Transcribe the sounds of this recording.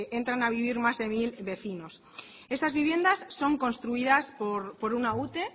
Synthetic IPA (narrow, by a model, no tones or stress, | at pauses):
ʔe̞nt̪ɾanaβ̞iβ̞iɾmazðe̞milβe̞θino̞s | e̞st̪azβiβje̞nd̪asːo̞ŋko̞nst̪ɾuiðaspoɾpo̞ɾunaut̪e̞